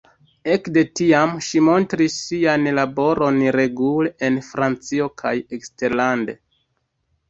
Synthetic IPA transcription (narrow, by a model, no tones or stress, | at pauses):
e̞kde̞tiamʃimo̞ntɾisːianlabo̞ɾo̞nɾe̞ɡuleenfɾant͡sio̞kʰajekste̞ɾlande̞